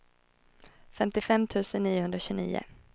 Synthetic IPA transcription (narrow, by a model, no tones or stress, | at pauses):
fɛmt̪ɪfɛmːt̪ʰʉ̟ːsənːiːʊhɵnd̪ɾaɕʉnḭːʊ̰